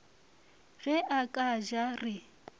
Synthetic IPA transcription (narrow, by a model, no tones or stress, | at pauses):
ɣɛʔakʼaʒarɪ